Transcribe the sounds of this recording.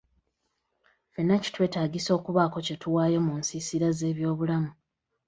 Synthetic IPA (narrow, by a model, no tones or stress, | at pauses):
fenːaci̥twe̞ːtaːɡiso̞ːkuβako̞ce̞tuwaːjo̞munsisiɾaze̞ːβjo̞ːβulamu